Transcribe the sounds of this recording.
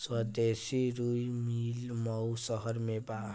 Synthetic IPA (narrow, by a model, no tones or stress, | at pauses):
swʌd̪esiɾujmilmʌwsʌɦʌɾmeba